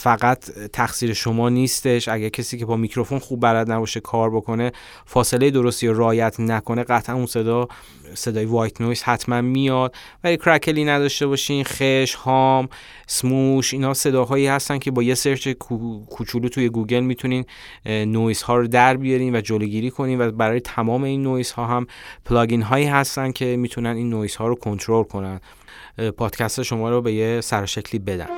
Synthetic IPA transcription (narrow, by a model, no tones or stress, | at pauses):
fæɣæt̪ʰt̪ʰːæxsiːɾe̞ʃo̞mɒːniːst̪e̞ʃʔæɟæɾcʰesiːcʰe̞bɒːmicʰɾo̞fo̞nxubːæɾæd̪næbɒːʃekʰɒːɾbo̞kʰo̞ne̞ | fɒːse̞le̞jed̪o̞ɾost̪ijoɾeɒːjæt̪ʰnækʰo̞ne̞ɢæt̪ʰʔænunse̞d̪ɒː | se̞d̪ɒːjevɒːjt̪ʰnojshæt̪ʰmænmijɒd̪̥̚ | vælikʰɾækʰeliːnæd̪ɒʃt̪e̞βɒːʃiːnxeʃhɒːm | smuʃiːnhɒːse̞d̪ɒːɦɒːiːhæst̪æncʰe̞bɒːje̞se̞ɾt͡ʃekʰukʰut͡ʃʰuluːt̪ʰuje̞ɡuːɡe̞lmit̪ʰuniːnː | oishɒːɾod̪æɾbijɒɾiːnvæd͡ʒoloɡiːɾiːkʰo̞niːnvæbæɾɒːjet̪ʰæmɒːme̞iːnːoishɒːɦæmpʰlɒːɡinɦɒːiːɦæst̪ænd̪cʰe̞miːt̪ʰunæniːnːoishɒːɾokʰo̞nt̪ʰɾolkʰo̞nænd̪ | pʰɒːd̪̥cʰæst̪eʃo̞mɒːɾobe̞jesæɾoʃecʰliːbe̞d̪æ̰n